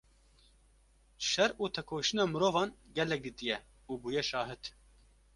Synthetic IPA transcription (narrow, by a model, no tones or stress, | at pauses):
ʃɛɾuːt̪ʰɛkʰoːʃɨnɑːmɨɾoːvɑːnɡɛlɛk̚d̪ɨt̪ijɛ | uːbuːjɛʃɑːɦɨt̪